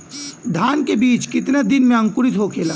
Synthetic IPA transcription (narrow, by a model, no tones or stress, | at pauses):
d̪ʱaːnkebiːt͡ʃkɪt̪nad̪ɪnmẽɐ̃ŋkʊɾɪt̪ɦokʰeːlaː